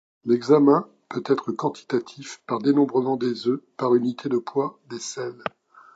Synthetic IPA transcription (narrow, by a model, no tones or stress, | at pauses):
lɛɡzamɛ̃ | pøt̪ɛt̪χəkɑ̃t̪i̥t̪at̪ʰifpaʁd̪enɔ̃bʁəmɑ̃d̪ezøpaʁynit̪ʰed̪əpwad̪esɛl